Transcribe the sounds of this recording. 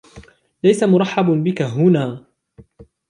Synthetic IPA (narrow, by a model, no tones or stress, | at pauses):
lajsamʊɾˤɑħːɑbnbɪkaɦʊnaː